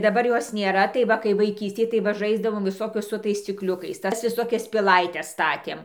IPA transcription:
dɐˈbɐr ˈjoːs nʲeːˈrɐ tɐɪ ˈʋɐ kɐɪ ʋɐɪˈkʲiːsʲtʲeːj tɐɪ ˈʋɐ ˈʒɐɪzdɐʋoːm ʋʲɪˈsoːkʲʊs sʊ ˈtɐɪs sʲt͡sʲɪkˈlʲʊkɐɪs ˈtɐs ʋʲɪˈsoːkʲɛs pʲɪˈlˠɐɪtʲɛs ˈstɑːtʲeːm

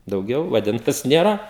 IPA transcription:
dɐʊˈɡʲɛʊ ʋɐˈdʲɪntɐs ˈnʲeːrɐ

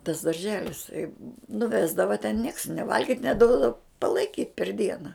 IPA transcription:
tɐs dɐrʲˈʒʲæːlʲɪs tɐɪ nʊˈʋʲæːzdɐʋɐ tʲɛn nʲiɛks nʲeː ˈʋɐlʲɡʲɪtʲ nʲɛˈduɔdɐʋoː pɐlˠɐɪˈkʲiːtʲ pʲɛr ˈdʲiɛnɐ

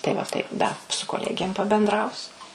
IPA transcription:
tɐɪ ʋɐ ˈtɐɪp ˈdɐ sʊ koːˈlʲæːɡʲeːm pɐbʲɛnˈdrɐʊsʲʊ

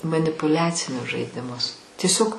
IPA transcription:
mɐnʲɪpʊˈlʲæːt͡sʲɪnʲʊs ʒɐɪdʲɪˈmʊs tʲiɛˈsʲoːk

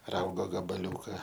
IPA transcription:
ˈrɐʊɡoː ɡɐbɐˈlʲuːkɐ

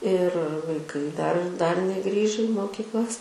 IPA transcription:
ɪr ʋɐɪˈkɐɪ dɐr dɐr nʲɛˈɡrʲiːʒʲɛ ɪ moːkʲiːkˈlˠɐs

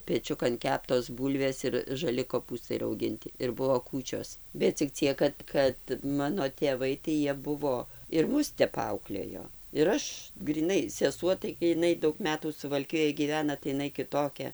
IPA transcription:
pʲɛˈt͡ʃʲʊkɐn ˈkʲæːptoːs ˈbuːlʲʋʲeːs ɪr ʒɐˈlʲɪ koːˈpuːstɐɪ rɐʊˈɡʲɪnʲtʲɪ ɪr ˈbuɔ ˈkuːt͡ʃʲoːs bʲɛt t͡sʲɪk ˈt͡sʲiɛk kɐt ˈkɐt ˈmɑːnoː tʲeːˈʋɐɪ tɐɪ ˈjiɛ ˈbʊʋoː ɪr ˈmʊs ˈtʲɛp ˈɐʊklʲeːjoː ɪr ˈɐʃ ɡrʲiːˈnɐɪ sʲɛˈsuɔ tɐɪ ɡʲɪ jɪˈnɐɪ ˈdɐʊk ˈmʲæːtuː sʊʋɐlʲˈkʲɪjoːj ɡʲiːˈʋʲæːnɐ tɐɪ ɪˈnɐɪ kʲɪˈtoːkʲɛ

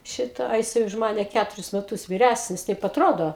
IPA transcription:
ˈʃʲɪtɑː ɐ jɪˈsɐɪ ʊʃ ˈmɑːnʲɛ ˈkʲætʊrʲɪs mʲɛˈtʊs ʋʲɪˈrʲæsʲnʲɪs ˈtɐɪp ɐtˈroːdoː

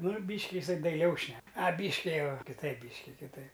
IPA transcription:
ˈnʊ ˈbʲiːʃʲkʲɪ ɪˈsɐɪ dɐɪˈlʲɛʊ ˈʃʲnʲɛk ɐˈbʲiːʃʲkʲɪ ˈjɛʊ kʲɪˈtɐɪp ˈbʲiːʃʲkʲɪ kʲɪˈtɐɪp

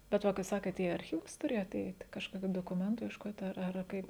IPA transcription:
bʲɛt ˈʋɐ kɐɪ ˈsɑːkʲeːt iː ɐrʲˈxʲiːʋʊs ˈtʊrʲeːjoːt ˈɛɪtʲ kɐʃˈkoːkʲʊ doːkʊˈmʲɛntʊ iɛʃˈkoːtʲ ˈɐr ˈɐr ˈkɐɪp

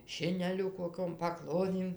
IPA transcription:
ˈʃʲɪnʲɛlʲʊ koːˈkʲoːm pɐˈklˠoːdʲeːm

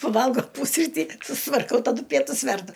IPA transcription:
pɐˈʋɐlˠɡoː ˈpʊsʲrʲiːtʲiː sʊstʋɐrˈkɐʊ tɐˈdʊ ˈpʲiɛtʊs ˈʋʲɛrdʊ

